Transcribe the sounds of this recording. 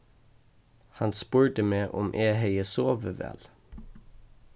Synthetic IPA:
hɑnspʉːɹʈəmeːʔɔmʔeːheɪəsoːʋəʋɛ̰l

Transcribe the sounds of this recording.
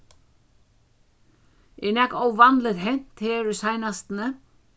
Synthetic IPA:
ɛnɛkowvanlɪt̪ɦɛn̥t̪heːɾʏsajnast̪nə

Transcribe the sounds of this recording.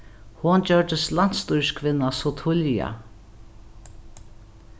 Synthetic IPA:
hʊnd͡ʑœɹd̪əslan̥t̪st̪ujskʰvɪnːasɔt̪ʰʊlja̰

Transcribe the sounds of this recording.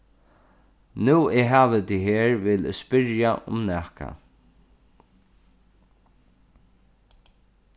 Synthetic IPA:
nuːeːɦaːʋɪt̪iɦeːɹʋɪːlɛspɪɾjaʔʊ̰mnæːhka̰

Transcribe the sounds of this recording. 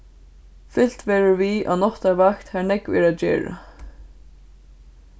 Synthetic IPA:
fɪl̥t̪vɛːɾɪɾvia̰ðnɔht̪aɾvakt̪hɛnɛkvɛːɾad͡ʒɛ̰ːɹa̰

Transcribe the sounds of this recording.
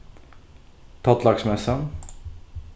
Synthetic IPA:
t̪ʰat̪laksmɛsan

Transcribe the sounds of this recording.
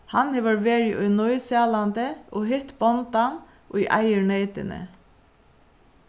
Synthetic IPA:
hɑnheʋəɾʋeːɹɪʔɔʏnɔʏsɑlɑnd̪əʔoːhɪt̪bɔnt̪ɑn | ʔoːḭːʔɑɪəɳeɪt̪ə̰nə̰

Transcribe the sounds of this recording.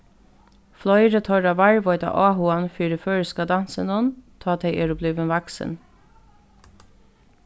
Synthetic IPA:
flɔjɾət̪ʰɔɾaʋaɹʋɔʏt̪a̰ʔaːɦʊanfiːɾɪføːɹɪskad̪ansɪnʊnt̪ʰɑːt̪ʰɛɪɛːɾʊblʏʋɪnʋaksɪ̰n

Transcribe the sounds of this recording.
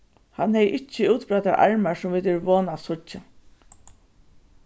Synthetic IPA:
hanhɛjʔɪt͡ʃːəuːt̪bɾat̪aɾʔa̰ɹmaɹsʊmʋiːt̪ɛɹʋoːnasʊt͡ʃa

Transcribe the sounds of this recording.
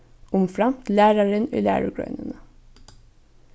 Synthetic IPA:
ʔʊmfɹɑmt̪læːɾɑɹənḭːlæ̰ːɹəɡɹœ̰ʏnənə

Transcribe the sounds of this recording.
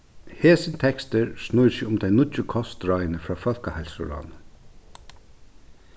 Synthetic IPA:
hɛːsɪnt̪ʰɛkst̪ɪɾsnujsɪʊmt̪ʰɛɪnʊtːɪkʰɔst̪ɾajnəfɾaːfœlkahalsʊ̰ɾɔ̰ːn

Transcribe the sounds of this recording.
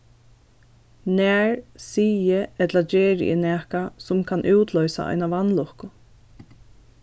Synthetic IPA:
næːɹsiːjəɛt̪lad͡ʒeːɾ̰ʔɛ̰næːhkasʊmkʰanʔuːt̪lœɥsa̰a̰ɪnaʋanlʊhkʊ

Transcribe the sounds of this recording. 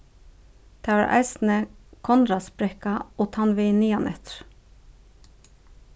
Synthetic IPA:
t̪ʰæ̰ːʔæ̰ɪsn̩əkʰɔnɾɑspɾɛkɑoːt̪ʰɑnʋeɪniːɑnʔɛ̰t̪ɾ

